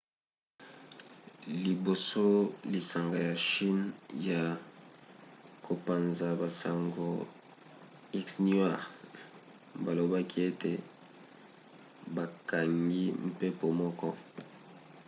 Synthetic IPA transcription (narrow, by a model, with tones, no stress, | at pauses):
li˨bo˨so˦li˨sa˨ŋɡa˨ja˨ʃi˦nja˨ | kʰo˨pa˨nza˨ba˨sa˨ŋɡo˨ | i˦ksn˦a˦˨ʁ | ba˨lo˨ba˦kʰi˦e˦te˨ | ba˨ka˨ŋɡi˦m̩˨pe˦po˨mɔ˦kɔ˦